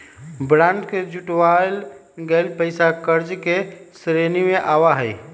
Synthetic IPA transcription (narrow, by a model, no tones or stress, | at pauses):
bɾãːɳɖked͡ʒuʈwal | ɡəlpəɪsakəɾd͡ʒke | sɾenimẽʔaːʋaɦəj